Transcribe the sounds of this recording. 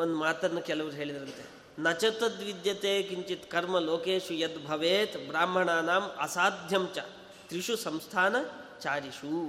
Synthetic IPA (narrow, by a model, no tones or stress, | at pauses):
ond̪umaːt̪ɐnːɐkɛlɐʋɐɾuɦeːɭid̪ɐɾɐnt̪ḛ | nɐt͡ʃɐt̪ɐt̪ʋid̪jɐt̪eːkiɲt͡ʃit̪kɐɾmɐloːkeːʂjɐt̪bʱɐʋeːt̪bɾaːmbʱɐɳaːnaːmɐ̰saːd̪ʱjɐmt͡ʃɐ | t̪ɾiʂusɐmst̪ʰaːnɐt͡ʃaːɾiʃu